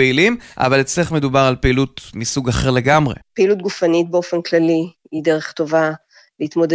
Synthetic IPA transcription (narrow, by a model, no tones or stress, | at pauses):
eilima̰valet͡sleχme̞dubaʁalpeilutmisuɡaχeʁle̞ɡamʁe̞̰peilut̚ɡufanit̚beofe̞nklali | ideʁeχto̞va | leit̪mo̞d